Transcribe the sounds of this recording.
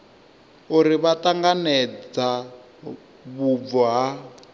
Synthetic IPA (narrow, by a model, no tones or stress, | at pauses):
uɾiβataŋɡanɛd͡za | βub̪vɔɦa